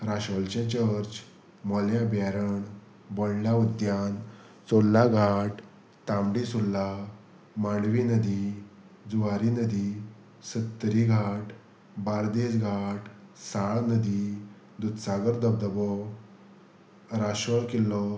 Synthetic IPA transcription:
ɾaɕʋəlt͡ɕẽt͡ɕəɾt͡ɕ | mɔljãbjaɾəɳ | bɔlljaud̪jan | t͡solːaɡʱaʈ | t̪ãmɽisulːa | maɳʋinəd̪i | d͡zuʋaɾinəd̪i | sət̪ːɾiɡʱaʈ | baɾd̪esɡʱaʈsaɭnəd̪i | d̪ut̪saɡəɾd̪əb̚d̪əbɔ | ɾaɕəɭkilːɔ

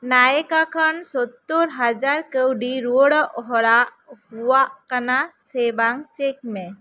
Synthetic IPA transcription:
naekakʰənsɔt̪ːoɾɦad͡ʒaɾkəwɖiɾuɽɔʔɔɦɔɽaʔ | huwaʔkanasebaŋt͡ʃek̚mɛ̃

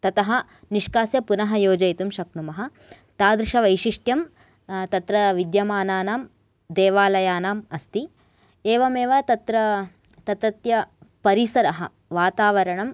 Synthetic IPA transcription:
t̪ɐt̪ɐɦɐ̆ | niʂkaːsjɐpunɐɦɐjoːd͡ʒɐjt̪umʃɐknumɐɦɐ̆ | t̪aːd̪ɾiʃɐʋɐjʃiʂʈjɐm | t̪ɐt̪ɾɐʋid̪jɐmaːnaːnaːm | d̪eːʋaːlɐjaːnaːmɐst̪i | eːʋɐmeːʋɐt̪ɐt̪ɾɐ | t̪ɐt̪ɐt̪jɐpɐɾisɐɾɐɦɐ | ʋaːt̪aːʋɐɾɐɳɐm

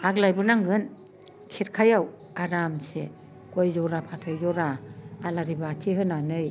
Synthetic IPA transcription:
aklajbɯnaŋɡɯn | kʰiɾkʰajaw | aɾamsḛ | kojzɔɾapʰatʰɔjzɔɾaːlaɾibaːtʰiɦɯnanɯj

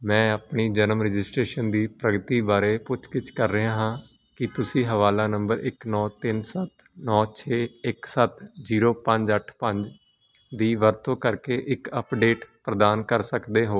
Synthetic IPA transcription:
mɛ̃ːaːpɳiːd͡ʒənəmɾɪd͡ʒɪsʈɾeːʃənd̪iːpɾəɡət̪iːbaːɾeːpʊt͡ʃkɪt͡ʃkəɾːəɦãːɦãː | kɪt̪ʊsĩːɦəʋaːlaːnəmbəɾʔɪ̰knɔːt̪ɪnsət̪ | nɔːt͡ʃʰeːɪksət̪d͡ʒiːɾoːpə̃ɲd͡ʒəʈʰpəɲd͡ʒ | d̪iːʋəɾt̪ʰõːkəɾkeːʔɪkəpɖeːʈpɾəd̪aːnkəɾsəkd̪eːɦoː

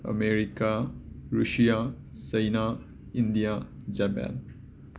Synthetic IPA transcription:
ə̰meɾikaɾuʃijasɐjna | ind̪ijad͡ʒapa̰n

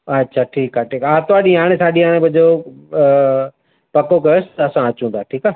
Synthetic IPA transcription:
ɐtːʃʰaːʈʰiːkaːʈʰiːkaːt̪ʊaːɗĩaːɽ̃ẽsaːɗĩaːɽ̃ẽbɐd͡ʒo | pɐkokɐjosɪɐsãɐt͡ɕũːnd̪aːʈʰiːkaː

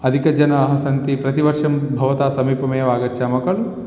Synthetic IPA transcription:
ɐd̪ʱikɐd͡ʒɐnɐːɦɐsɐnt̪ipɾɐt̪iʋɐɾʂɐmbʱɐʋɐt̪aːsɐmiːpɐmɐjɐʋaːɡɐt͡ʃːaːmɐkɐɭ

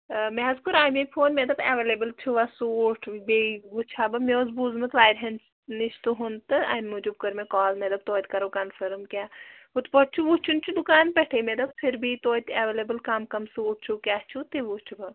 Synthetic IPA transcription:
mɛːzkuɾaːjmepʰoːnmed̪ɐbɛʋeleːbəlt͡ʃʰuʋasuːʈʰbeʋut͡ʃʰaːbɐmeozbuːzmɐt̪ʰʋaːjɾɦɐns | niʃt̪uɦunt̪ɨa̰nmud͡ʒub̚kɐɾmekɔːlmed̪ɐb̚t̪oːjt̪ʲkɐɾkɐnpʰɐɾmkʲaːut̪pɔʈ̚t͡ʃʰuʋut͡ʃʰunt͡ʃʰud̪ukaːnpɛʈʰeːmed̪ɐb̚pʰiɾbʱit̪oːit̪ɐːʋeːleːbəlkɐmkɐmsuːʈ̚ʰt͡ʃʰukʲaːt͡ʃʰut̪iʋut͡ʃʰubɐ

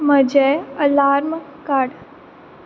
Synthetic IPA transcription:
məd͡ʒɛəlaːɾmkaːɽ

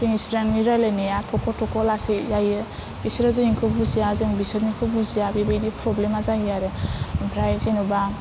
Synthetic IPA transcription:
pʰiŋisɾanmiɾaleneatʰɔkʰɔtʰɔkʰɔlasizajɯ | bisɾazɯiŋkʰɯbuzijazɯŋbisɯɾmikʰɯbuzijabibɯjdipʰɾɔblemazajaɾɯpʰɾajzenuba

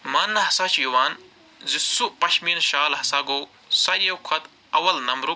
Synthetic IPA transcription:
mɐːnːɐɦɐsat͡ʃʰjuʋaːn | zisuʔpɐʃmiːnʃaːlɦɐsaːɡoː | sɐɾjɐwkʰɐt̪ | ɐwɐlnɐmɾu

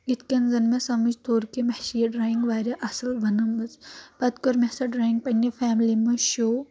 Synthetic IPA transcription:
it̪ʰkʲɐnzɐnmesɐmɐd͡ʒt̪ʰoːɾkemɐhʃijɐɖɾaːiŋɡʋaːɾɐʔɐsɐlʋɐnɐmːɐzpɐt̪koɾmɐsɐɖɾaːjiŋɡ̚pɐnːɐfʰaːmlimɐʃoː

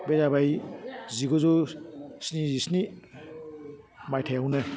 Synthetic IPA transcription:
bezabajziɡɔzusnizisni | majtʰajawnɯ

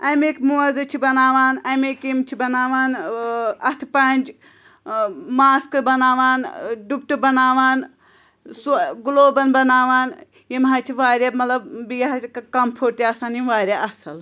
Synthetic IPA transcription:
ɐjmeːkmuɐzɐt͡ʃʰibɐnaːʋaːnɐjmeːkimt͡ʃʰibɐnaːʋaːn | ɐt̪ʰpɐnʲd͡ʒ | maːskɨbɐnaːʋaːnɖup̚ʈ̪ubɐnaːʋaːn | suɡuloːbɐnbɐnaːʋaːn | jimɦat͡ʃʰiʋaːɾʲaːmɐt̪lɐbbijɦɐkkɐmpʰoːɾt̪iaːsaːniʋaːɾʲaʔɐsɐl

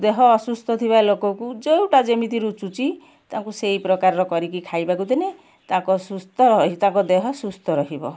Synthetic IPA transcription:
d̪eɦɔːsust̪ʰɔt̪ʰibalokɔkud͡ʒewʈad͡ʒɔmit̪iɾut͡ʃut͡ʃi | t̪ãkusejpɾɔkaɾɔɾɔkɔɾik̬ikʰajbakut̪ine | t̪ãkɔsust̪ɔɾɔɦit̪ãkɔd̪eɦɔsust̪ʰɔɾɔɦibɔ̰

